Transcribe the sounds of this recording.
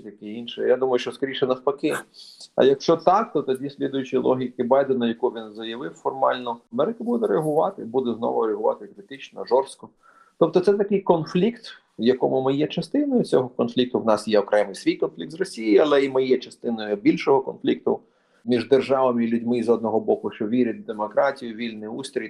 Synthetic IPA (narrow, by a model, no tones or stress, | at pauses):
t̪ʲɐkɛinʃɛjad̪umɐjʊʃt͡ʃɔskɐɾʲiʃɛnɐwpɐkɪɐ̰jɐkʃt͡ʃɔt̪ɑk̚t̪ɔt̪ɔdʲisʲlʲid̪ʊjʊt͡ʃijlˠʔɔ̰ɦʲɪkɪbɑjd̪enʊjɐkuʋʲinzɐjɐʋɪwfɔrmɑ̰lʲnɔɐmɛɾɪkʊbud̪ɛɾeɐɦʊʋɑt̪ɪbud̪ɛznɔ̰ʋʊɾeɐɦʊʋɑ̰t̪ɪkɾɪt̪ɪt͡ʃnɔ̰ʒɔrst̪kɔ | t̪ɔp̚t̪ɔt̪sɛt̪ɐkɪjkɔnflʲikt̪ | jɐkɔmʊmɪjɛt͡ʃɐst̪ɪnɔjʊt͡sʲɔɦɔkɔnflʲik̚t̪ʊwnɑsjɛɔkɾɛmɪjsʋʲijkɔnflʲik̚t̪zrɔsʲijiiɐlˠɛimɪjɛt͡ʃɐst̪ɪnɔjʊbʲilʲʃɔɦɔkɔnflʲik̚t̪ʊ̰ | mʲiʒd̪erʒɑʋɐmɪilʲʊdʲmɪzɔd̪nɔɦɔbɔkʊʃt͡ʃɔʋʲiɾʲɐt̚ʲd̪emɔkɾɑtʲijʊʋʲilʲnɪust̪ɾʲi